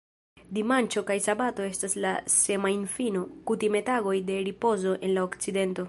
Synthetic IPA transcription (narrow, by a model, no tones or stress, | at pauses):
dimant͡ʃo̞kajsabato̞e̞stasla̰se̞mainfino̞kutime̞taɡo̞jde̞ɾipo̞zo̞ʔe̞nlaokt͡side̞nto̞